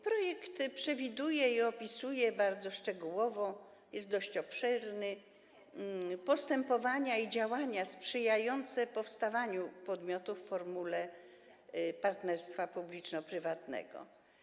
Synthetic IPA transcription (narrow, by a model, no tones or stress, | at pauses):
pɾɔjɛkt̪pʂɛvʲid̪ujɛiɔpʲisujɛbaɾd̪zɔʂt͡ʂɛɡuwɔvɔ | jɛst̪d̪ɔɕt͡ɕɔpʂɛɾnɘ | pɔst̪ɛmpɔvaɲaid͡ʑawaɲaspʂɘjajɔnt̪sɛpɔfst̪avaɲupɔd̪mʲjɔt̪ufːɔɾmulɛ | paɾt̪nɛɾst̪fapublʲit͡ʂnɔpɾɘvat̪nɛ̰ɡɔ̰